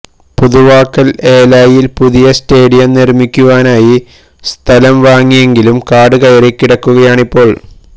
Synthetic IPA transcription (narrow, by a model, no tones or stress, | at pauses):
puðuʋaːkːɐle̞ːlaːjilpuðijɐste̞ːɽijɐmnirmikʲːuʋaːnaːji | st̪ʰɐlɐmʋaːŋːije̞ŋɡilumkaːɖɨkɐjɐrekːiɽɐkːuɣɐjaːɳipːo̞ːɭ